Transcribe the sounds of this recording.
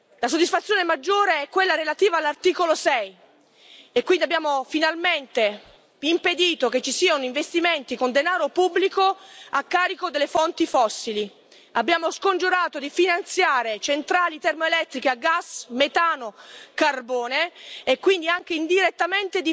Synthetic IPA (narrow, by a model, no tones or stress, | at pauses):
lasod̪ːisfat̪sjoːnemad͡ʒːoːɾeɛkːwelːaɾelat̪iːvaːlːart̪iːkolosɛj | ekwind̪iabːjaːmofinalment̪e | imped̪iːt̪ok̟et͡ʃːisiːanoiɱvest̪iment̪ikond̪enaːɾopubːlikoakːaːɾikod̪elːefɔnt̪ifɔsːili | abːjaːmoskond͡ʒuɾaːt̪od̪ifinant̪sjaːɾet͡ʃent̪ɾaːlit̪ɛrmoelɛt̪ːɾikeaɡasmet̪aːnokarbɔːneːkːwind̪iaŋk̟eind̪iɾet̪ːament̪ed̪i